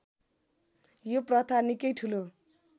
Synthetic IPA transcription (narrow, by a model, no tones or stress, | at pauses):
joprʌt̪ʰanikʌjʈʰulo